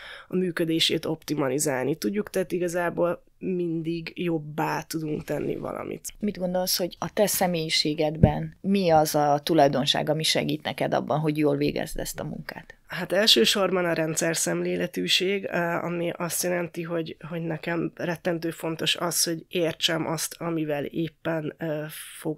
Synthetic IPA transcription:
ɒmyːkød̪eːʃeːt̪o̞pt̪imɒlizaːlnit̪uɟːukt̪ɛt̪iɡɒzaːboːl | mind̪iɡjo̞bːaːt̪ud̪uŋkt̪ɛnːḭvɒ̰lʔɒ̰mʔḭt̪mid̪ɡo̞nd̪olsho̞ɟɒt̪ɛsɛmeːjiʃeːɡɛd̪bɛnmiɒzɒt̪ulɒjd̪o̞nʃa̰ːɡɒmiʃɛ̰ɡiːt̪nɛkɛd̪ɒ̰bːɒnɦo̞ɟjoːlvḛːɡɛ̰zd̪ɛ̰st̪ɒmṵŋka̰ːt̪ɦat̪ɛlʃøːʃo̞rbɒnɒɾɛnt̪sɛrsɛmleːlɛt̪yːʃeːɡɒ̰miʔɒst̪jɛlɛnt̪iɦo̞ɟho̞ɟnɛkɛmrɛt̪ːɛnt̪øːfo̞nt̪oʃɒsho̞ɟeːrt͡ʃɛmʔɒst̪ʰɒmivɛleːpːɛnfo̞ɡ

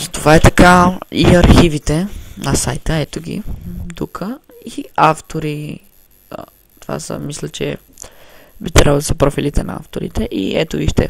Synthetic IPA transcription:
zɐt̪ovaɛt̪ɐkaiɐɾxivit̪ɛnɐsajt̪əɛt̪oɡʲḭd̪ukʰə | iaft̪oɾi | t̪ova̰sə̰mislʲət͡ʃɛ̰ | bit̪ɛɾaod̪əsɐpɾɔfilit̪ɛnɐ̰a̰ft̪oɾḭt̪ɛʔḭɛt̪oiʃt̪ɛ̰

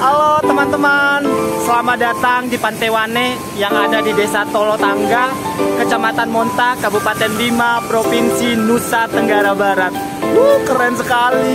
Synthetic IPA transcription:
alot̪əmant̪əmansəlamadat̪aŋdipant̪ewane | jaŋadadidesat̪olɔt̪aŋɡa | kət͡ʃamat̪anmɔnt̪akabupat̪ɛnlimapɾofinsinusat̪əŋɡaɾabaɾat̪̚ | wukəɾɛnsəkali

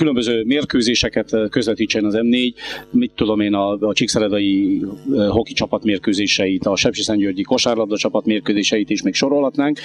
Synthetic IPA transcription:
kylømbøzøːmeːrkøːzeːʃɛkɛt̪køzvɛt̪iːt͡ʃːɛnɒzɛmneːɟmit̪ːud̪o̞meːnɒːt͡ʃiksɛlɛd̪ɒji | ɦo̞kit͡ʃɒpɒt̪meːrkøːzeːʃɛjit̪ɒʃɛpʃisɛɲɟørɟiko̞ʃaːrlɒb̚d̪ɒt͡ʃɒpɒt̪meːrkøːzeːʃɛjit̪iʃmeːkʃo̞ɾo̞lɦɒt̪naːŋk

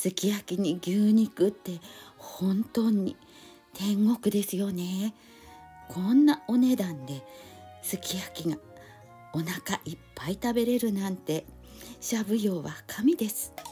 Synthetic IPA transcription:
sɨkʲijakʲiɲ̟iɡʲɨːɲ̟ikɯ̟t̪ːe̞hõ̞nt̪o̞ːɲ̟i | t̪ʰẽ̞ŋɡo̞kɯ̟d̪e̞sɨjo̞ne̞ | kʰõ̞nːao̞ne̞d̪ãnd̪e̞sɨkʲijakʲiɡa | o̞nakaʔipːait̪abe̞ɾe̞ɾɯ̟nãnt̪e̞ | ɕabɯ̟jo̞ːβakʰamʲid̪e̞sɨ̥

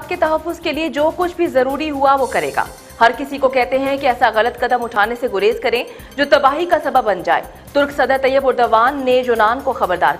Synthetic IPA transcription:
t̪̚ket̪ɐɦɐfːʊzkelied͡ʒoːkʊt͡ʃʰbʱizɐɾuːɾiɦuaʋokɐɾeːɡa̰ː | hɐɾkɪsikokɛɦt̪eɦɛ̃kiɛːsaɣɐlət̪kɐd̪əmʊʈʰaːneseɡʊɾeːzkɐɾẽ | d͡ʒoːt̪ɐbaːɦikasɐbəbːɐnd͡ʒa̰ːḛː | t̪ʊɾksɐd̪əɾt̪ɐjːəbʊɾd̪əʋaːnːejʊnaːnkoxɐbəɾd̪a̰ːɾ

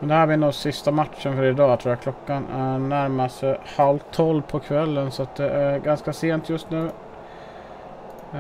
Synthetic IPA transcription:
mɛnd̪ɛhæːɾbɪnoːsɪst̪amat̪ʂənfœɾɪd̪ɑːt̪ʰɾuːɾjakʰlɔkːannæɾmast̪əhalt̪ʰːɔlpʰɔkʰvɛlːənsɔat̪̚d̪ɛʔæɾɡanskaseːnt̪ʰjɵst̪nʉ̟ː

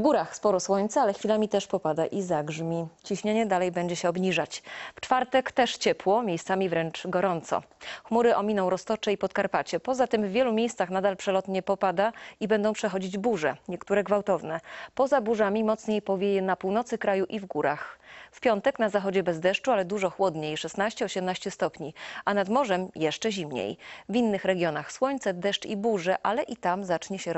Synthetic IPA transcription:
vɡuɾaxspɔɾɔswɔɲt̪sɛalɛxfʲilamʲit̪ɛʂpɔpad̪aʔizaɡʐmʲit͡ɕiɕɲeɲɛd̪alɛjbɛɲd͡ʑɛɕɛɔbɲiʐat͡ɕft͡ʂfaɾt̪ɛkt̪ɛʂt͡ɕɛpwɔmʲjejst̪samʲivɾɛnt͡ʂɡɔɾɔnt̪sɔ̰xmuɾɘʔɔmʲinɔ̃w̃ɾɔst̪ɔt͡ʂɛipɔt̪kaɾpat͡ɕɛpɔzat̪ɘmvːʲjɛlumʲjejst̪saxnad̪alpʂɛlɔt̪ɲɛpɔpad̪aibɛnd̪ɔ̃w̃pʂɛxɔd͡ʑid͡ʑbuʐɛ̰ɲɛkt̪uɾɛɡvawt̪ɔvnɛpɔzabuʐamʲimɔt̪sɲejpɔvʲjejɛnapuwnɔt̪sɘkɾajuʔivɡuɾa̰xfpʲjɔnt̪ɛknazaxɔd͡ʑɛbɛzd̪ɛʂt͡ʂualɛd̪uʐɔxwɔd̪ɲejʂɛst̪naɕt͡ɕɛɔɕɛmnaɕt͡ɕɛst̪ɔpɲiʔanad̪mɔʐɛmjɛʂt͡ʂɛʑimɲḛjvʲinːɘxɾɛɡʲjɔnaxswɔɲt̪sɛd̪ɛʂt͡ʂibuʐɛʔalɛʔit̪amzat͡ʂɲɛɕɛɾ

